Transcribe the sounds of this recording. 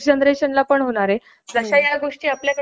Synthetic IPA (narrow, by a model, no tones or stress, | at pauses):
d͡ʑənd̪ɾeɕənlapəɳɦoɽ̃aɾe | d͡zəɕajaɡoʂʈiːapljakə